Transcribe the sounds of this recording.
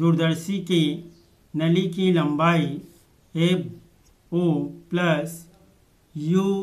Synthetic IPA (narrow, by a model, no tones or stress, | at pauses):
d̪uɾd̪əɾsiki | nɐlikilɐ̃mbaːi | e | oplɐs | ju